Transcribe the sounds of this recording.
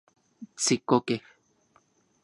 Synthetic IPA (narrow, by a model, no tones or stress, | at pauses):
t͡sikokeh